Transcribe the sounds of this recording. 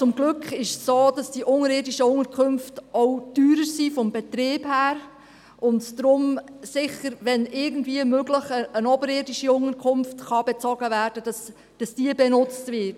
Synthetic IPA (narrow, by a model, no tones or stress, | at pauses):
t͡sʊmɡlɵkχɪʃsoːdɑsd̥iʔʊŋəɾɪːdiʃəʊŋəɾkʰømftɔwtyːɾəɾsifɔmbɛtɾeːb̥hæːɾ | ʊndd̥ɾʊmsɪχəɾʋɛnɪɾɡən̩dviəmøɡləχəənɔbəɾɪdiʃiʊŋəɾkʰʊmftχɑbɛt͡sɔɡəvæːɾd̥əd̥ɑs | d̥ɑsd̥iəbɛnʊt͡stvɪt